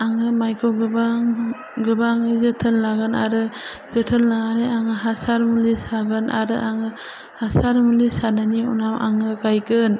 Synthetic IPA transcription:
aŋɯmajkʰɔɡɯbaŋ | ɡɯbaŋizɯtʰɯnlaɡɯna̰ɾɯ | zɯtʰɯnlaaɾeaŋɯɦasaɾmulisaɡɯnʔa̰ɾɯʔaŋɯ | hasaɾmulisananiṵnamʔa̰ŋɯɡajɡɯn

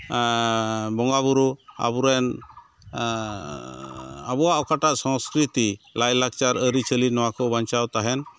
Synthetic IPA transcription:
bɔŋɡaβuɾua̰buɾɛn | abɔwaʔɔkaʈaʔsɔ̃wskɾit̪ilajlakt͡ʃaɾəɾit͡ʃəlinɔwakɔbaɲt͡ʃawt̪aɦɛn

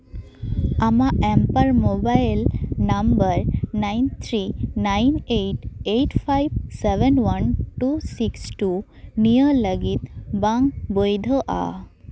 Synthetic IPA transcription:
amaɛmpaɾmobajlnambəɾnajnt̪ʰɾinajnejʈeʈpʰajb̚sebɛnwanʈusiksʈu | nijələɡit̪baŋbojd̪ʱəʔa̰

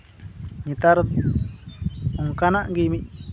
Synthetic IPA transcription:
ɲĩt̪aɾ | uŋkanãʔɡimĩʔ

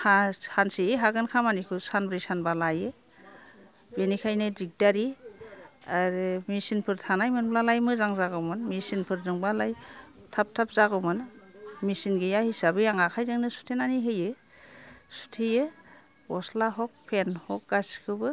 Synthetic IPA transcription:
hahansieɦaɡɯnkʰamanikʰɯsanbɾisanbalajɯ | benikʰajnɯdik̚daɾi | aɾɯmisinpʰɯɾtʰanajmɯnblalajmɯzaŋzaɡɯwmɯnmisinpʰɯɾzɯŋbalajtʰap̚tʰap̚zaɡɯwmɯnmisinɡejahisabɯjaŋakʰajzɯŋnɯsu̥tʰenaniɦɯjɯ | su̥tʰejɯ | ɔslaɦɔk̚pʰenhɔk̚ɡaskʰɯbɯ

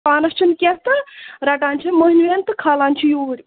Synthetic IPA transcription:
aːnɐst͡ʃʰinkʲest̪ɨɾɐʈaːnʲt͡ʃʰɐmoɦnʋent̪ɨkʰaːlaːnʲt͡ʃʰijuːɽʲi

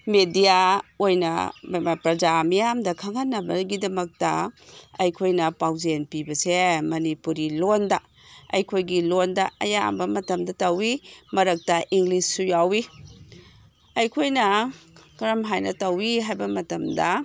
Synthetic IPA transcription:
medijaojnɐ̰mmɐpɾɐd͡ʒamijamdɐkʰɐŋanːɐbɐɡidɐmɐk̚tɐɐjkʰojnɐpawzenpibɐsemɐnipuɾilondɐ | ɐ̰jkʰojɡilondɐɐjambɐmɐtɐmdɐtɐwimɐɾɐk̚tɐʔiŋlisːujawi | ɐjkʰojnɐkɐɾɐmɦajnɐ̰tɐwiɦajbɐmɐtɐmdɐ

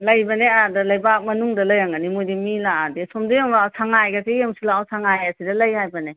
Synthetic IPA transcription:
lɐjbɐneadɐlɐjbak̚mɐnuŋdɐlɐjaŋɐnimojdimilaadesomdijaŋbaawsaŋajɡasejamsilaawsʰaŋajasidɐlɐjhajbɐne

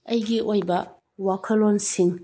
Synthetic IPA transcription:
ɐjɡiʔojbɐ | wakʰɐlonsiŋ

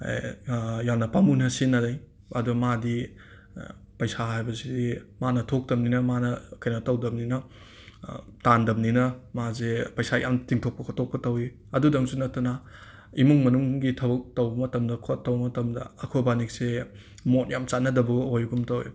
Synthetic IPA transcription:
jamnɐpamunɐsinːɐdaj | ɐdumadi | pɐjsaɦajbɐsidimanɐtʰok̚tɐm̚ninɐmanɐkɐjnɐtɐwdɐb̚ninɐ | tandɐbninɐmazepɐjsajʔa̰mtiŋtʰok̚pɐkʰotʰok̚pɐtɐwi | ɐdudɐŋsunɐtːɐnɐ | imuŋmɐnuŋɡitʰɐbɐk̚tɐwbɐmɐtɐmdɐkʰotːɐwbɐmɐtɐmdɐ̰ɐkʰobanik̚se | mot̚jamt͡ʃat̚nɐdɐbɐɡɐojɡumtɐwḭ

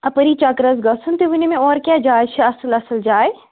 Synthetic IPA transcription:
ɐpəɾiːt͡ʃɐkɾəzɡɐsʰunt̪eʋunimẽɔːɾkjaːd͡ʒaːjt͡ʃʰiɐsəlɐsəld͡ʒaːe

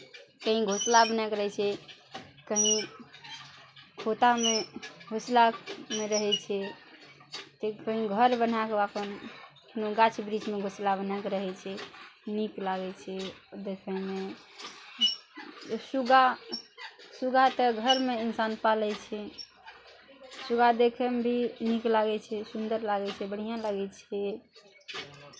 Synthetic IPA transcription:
kəɦĩɡʱoslabənakɾt͡ʃʰɛ | kəɦĩ | kʰot̪ameɡʱoslameɾəɦɛt͡ʃʰɛ | t̪ekəɦĩɡʱəɾbən̤akeapən | noɡat͡ʃʰbɾid͡ʒmeɡʱoslabənakeɾəɦɛt͡ʃʰɛniklaɡɛt͡ʃʰɛd̪ekʰɛme | suɡa | suɡat̪əɡʱəɾmeinsanpalɛt͡ʃʰɛ | suɡad̪ekʰɛmebʱiniklaɡɛt͡ʃʰɛsund̪əɾlaɡɛt͡ʃʰɛbəɽ̤ijãlaɡɛt͡ʃʰɛ

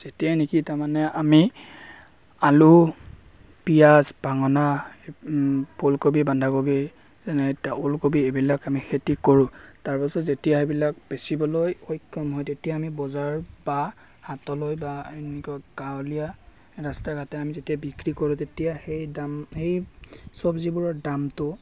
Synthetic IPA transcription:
z̥etijanikitaɹmanɛami | alu | pijasbaŋɔna | polkobibandʱakobi | zɛnɛtaʔolkobiebilakamixʰetikoɹʊ̃taɹpasɔtzetijaebilak̚besibɔlojojkʰːɔmɦɔjtetijaːmibɔzaɹba | hatɔlojbaenikuaɡalija | ɹastaɹɡʱatɛamizetijabikɹikoɹʊ̃tetijahejdamhejsɔbzibuɹɔdamtʊ

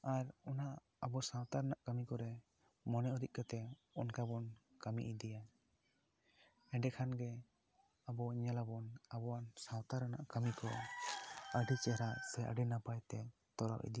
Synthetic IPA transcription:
aɾɔnaː | bɔsãwt̪aɾanaʔkamikɔɾɛ | mɔnɛuɾiʔ̚ˀkat̪ɛ | ɔnkabɔn | kamḭʔid̪ija | ɛ̃ɖɛkʰanɡɛ | abɔɲɛlabɔnabɔwansãwt̪aɾanaʔkamikɔ | əɖit͡ʃɛɾasɛʔə̰ɖinapajt̪ɛ | t̪ɔɾa̰ʔḭd̪ija

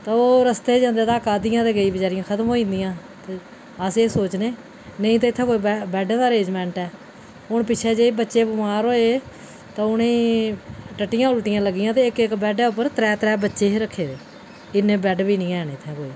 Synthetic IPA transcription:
t̪ãːoːɾəst̪eːd͡ʒãːnd̪eːt̪ãːkaːd̪ɪjãːd̪eːɡəiːbəd͡ʒaːɾɪjãːkʰət̪əmɦoːĩːnd̪ɪjãː | t̪e | əseːsoːt͡ʃneː | nəĩːt̪̬aːɪt̪ʰːɛ̃ːkoːiːbɛːɖɛ̃ːd̪aːɾeːd͡ʒmɛ̃ːɳʈɛː | ɦʊɳpɪt͡ʃʰɛːd͡ʒeːbətːʃeːbʊmaːɾoːeː | t̪ãːʊnẽː | ʈəʈːɪjãːʊlʈɪjãːləɡːɪjãːt̪eːɪkɪkbɛːɖɛːʊpːəɾt̪ɾɛːt̪ɾɛːbətːʃeːɦeɾəkʰːeːd̪eː | ɪnẽːbɛːɖbiːnĩːɛːneːt̪ʰːɛ̃ːkoːiː

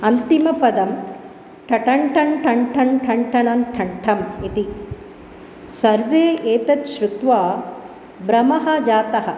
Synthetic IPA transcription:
ɐnt̪imɐpɐd̪ɐm | ʈʰɐʈɐɳʈʰɐɳʈʰɐɳʈʰɐɳʈʰɐɳʈʰɐɳɐmʈʰɐɳʈʰɐmit̪i | sɐɾʋeːeːt̪ɐt̪ʃɾut̪ʋaː | bɾɐmɐɦɐ̆d͡ʒaːt̪ɐɦɐ

